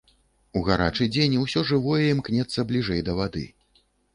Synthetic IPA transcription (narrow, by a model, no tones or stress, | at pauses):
uɣaɾa̰t͡ʂɨd͡zʲenʲiwsʲɔʐɨvɔjɛimknʲɛt̪sːɐblʲiʐɛjd̪ɐvad̪ɨ̰